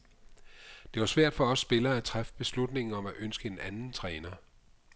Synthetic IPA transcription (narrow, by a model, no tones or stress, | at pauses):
d̥e̝ʋɑ̈sʋæɐ̰d̥fɒ̽ɒ̽sːb̥e̝lɐːæt͡sʰʁafə̥b̥e̝slud̥ne̝ŋn̩ɒ̽mæʔønsɡ̥əe̝nænn̩t͡sʰʁɛːnɐ